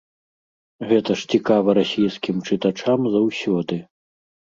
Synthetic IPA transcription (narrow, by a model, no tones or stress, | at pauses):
ɣɛt̪ɐʂt͡sʲikavɐɾasʲijskʲimt͡ʂɨt̪at͡ʂamzawsʲɔd̪ɨ